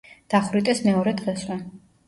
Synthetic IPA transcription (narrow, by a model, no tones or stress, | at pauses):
d̪̥aχɾit̪ʼɛsmɛɔɾɛd̪ʁɛswɛ